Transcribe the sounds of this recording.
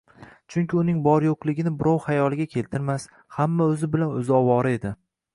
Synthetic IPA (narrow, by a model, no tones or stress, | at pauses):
t͡ʃʰʊŋkʲɪʊnɪŋbɒɾjoqlˠɪɡʲɪnɪbɪɾɒwhajɒlˠɪɡʲakʲʰe̞lt̪ʰɪɾmas | hamːaɵzɪbɪlanɵzɪɒwɒɾɪe̞d̪ɪ